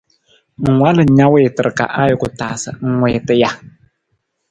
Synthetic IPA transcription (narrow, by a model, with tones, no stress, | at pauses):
ŋ̩˨ŋwa˦lɨ˨ɲa˦wɪ˦˨tɨ˨ɾɨ˨ka̰˨ʔa˦jʊ˦˨kʊ˨taː˨sɨ̰˨ŋ̩˦ŋʷwɪː˨tɨ˦ja˦